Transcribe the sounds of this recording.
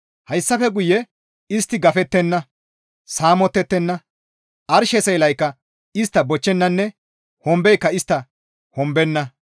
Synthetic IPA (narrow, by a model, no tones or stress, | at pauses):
hɐjsːɐfɛɡʊjːɛ | ɪst̪ːɪɡɐfɛt̪ːɛnːɐ | saːmɔt̪ːɛt̪ːɛnːɐ | ʔɐɾʃɛsɛjlɐjkːɐ | ɪst̪ːɐbɔt͡ʃːɛnːɐnːɛ | hɔmbɛjkːɐɪst̪ːɐ | hɔmbɛnːɐ